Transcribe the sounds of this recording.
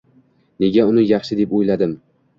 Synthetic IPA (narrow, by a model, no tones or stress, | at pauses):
ne̞ɡʲaʊnɪjɑχʃɪd̪e̞pojlad̪ɪm